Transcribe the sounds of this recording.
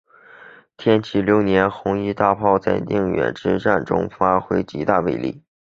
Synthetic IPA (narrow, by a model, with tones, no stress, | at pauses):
t̪ʰjɛ˥nt͡ɕʰi˧˥˩ljo˧˥ʊnjɛ˧˥nxʊ˧˥ŋi˥˧t̪a˥˧pʰɑ˥˧ʊt͡sa˥˧ɪnḭ˥˩ŋɥɛ̰˨˩nʈ͡ʂɻ̩˥˧ʈ͡ʂa˥˩nʈ͡ʂʊ̰˥ŋfa˥xwe˥ɪt͡ɕi˧˥t̪a˥˧wḛ˥˧˩ɪlḭ˥˩